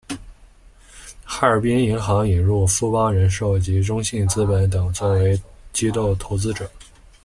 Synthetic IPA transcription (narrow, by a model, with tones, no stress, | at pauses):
xa˥˩ə˞˨˩pi˥ni˧˥ŋxɑ˧˥ŋi˨˩nɻu˥˩fu˥pɑ˥ŋɻə˧˥nʂo˥˩ʊt͡ɕi˧˥ʈ͡ʂʊ˥ŋɕi˥˩nt͡sɹ̩˥pə˧˥nt̪̬ɤ˨˩ŋt͡swɔ˥˩we˧˥ɪt͡ɕi˥t̪o˥˩ʊt̪ʰo˧˥ʊt͡sɹ̩˥ʈ͡ʂɤ˨˩˦